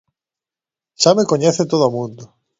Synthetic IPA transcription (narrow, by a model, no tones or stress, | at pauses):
ʃamekoɲeθet̪oðamũnd̪o